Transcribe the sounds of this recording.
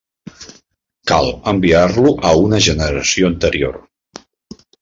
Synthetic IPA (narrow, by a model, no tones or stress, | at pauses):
kalˠəmbiarluʔəunəʒənəɾəsioənt̪əɾio̰r